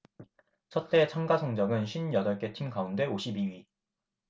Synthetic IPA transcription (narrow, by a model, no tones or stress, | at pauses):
t͡ɕʰʌt̚t͈e̞t͡ɕʰʌŋɡasʰoŋd͡ʑʌɡɯnɕʰinjʌdʌɭk͈e̞tʰimɡaunde̞oɕʰibiɥi